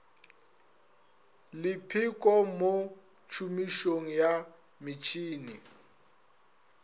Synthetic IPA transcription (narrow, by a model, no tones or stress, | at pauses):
lɪpʰɪkʼɔmo | t͡ʃʰumiʃoŋ̩ja | mɪt͡ʃʰʼiːni